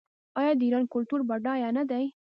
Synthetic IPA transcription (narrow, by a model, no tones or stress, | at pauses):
ɑjɑd̪əiɾɑnkʊlt̪uɾbaɖɑjɑnad̪aj